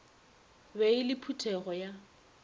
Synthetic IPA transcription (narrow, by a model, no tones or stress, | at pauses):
beɪlɪpʰutʰɛɣɔja